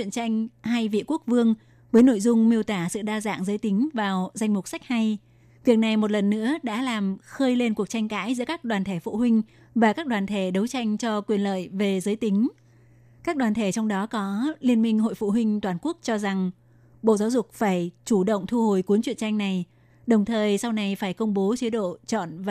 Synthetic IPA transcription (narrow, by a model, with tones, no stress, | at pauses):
wḭ˧˨ənt͡ɕa˧jŋ̟ɦa˧jvḭ˧˨ku˦˥ək̚vɨ˧əŋ | vəː˨˦jno̰˧˨jzʊ˧ŋ͡mmi˧əwt̪aː˧˩sɨ̰˧˨ɗaː˧za̰ː˧˨ŋzəː˨˦jt̪ï˨˦ŋ̟vaː˨˩wza˧jŋ̟mʊ˨˩k͡p̚sa˦˥k̚ha˧j | kwi˨˩ək̚na˨˩jmo˨˩t̚lə˨˩nːɨ̰˧˥əɗa̰ː˧˥laː˨˩mxəː˧jle˧nku˨˩ək̚t͡ɕa˧jŋ̟ka̰ː˧˥jzɨ̰˧˥əkaː˦˥k̚ɗwaː˨˩nt̪ʰe˧˩fṵ˧˨hwï˧ŋ̟ | vaː˨˩kaː˦˥k̚ɗwaː˨˩nt̪ʰe˧˩ɗə˨˦wt͡ɕa˧jŋ̟t͡ɕɔ˧kwi˨˩ənlə̰ː˧˨jve˨˩zəː˨˦jt̪ï˨˦ŋ̟ | kaː˦˥k̚ɗwaː˨˩t̪ʰe˧˩t͡ɕɔ˧wŋ͡mɗɔ˨˦kɔ˨˦li˧ənmï˧ŋɦo̰˧˨jfṵ˧˨ɦwï˧ŋ̟t̪waː˨˩nku˦˥ək̚t͡ɕɔ˧za˨˩ŋ | ɓo̰˧˨zaː˨˦wzʊ˨˩k͡p̚faː˧˩jt͡ɕu˧˩ɗə̰˧˨wŋ͡mt̪ʰu˧ho˨˩jku˨˦nt͡ɕwi˧˨ənt͡ɕa˧jŋ̟na˨˩j | ɗə˨˩wŋ͡mt̪ʰəː˨˩jsa˧wna˨˩jfaː˧˩jkə˧wŋ͡mɓo˨˦t͡ɕi˨˦ɗo̰˧˨t͡ɕɔ̰˧˨nv